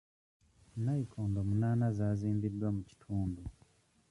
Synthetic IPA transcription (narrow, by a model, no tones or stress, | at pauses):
naikʰoːndomunaːnazaːziːmbidːwamuci̥tʰuːndu